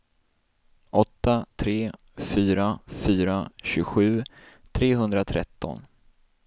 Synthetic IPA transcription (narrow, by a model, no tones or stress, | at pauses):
ʔɔt̪ːat̪ʰɾeː | fyːɾafyːɾaɕɵɡɧʉ̟ː | t̪ʰɾeːɦɵnd̪ɾat̪ʰɾɛ̰t̪ʰːɔ̰n